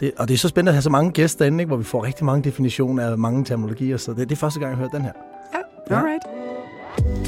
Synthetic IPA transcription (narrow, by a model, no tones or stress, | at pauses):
d̥e̝ʔɒ̽d̥e̝æsɒ̽sb̥end̥əæɦæs̬ɒ̽mɑ̈ŋəɡ̥esd̥d̥e̝n̩eɡ̥ʋɒʋifɒ̰ːʁɛɡ̥̚d̥imɑ̈ŋəd̥e̝finiɕo̝̰ːnɐæmɑ̈ŋət͡sʰeɐmino̝lo̝ɡ̥ḭːɐsɒd̥ed̥efɶɐsd̥əɡ̥ɑ̈ŋjaøɐd̥enɦæɐ̰ | j | d̥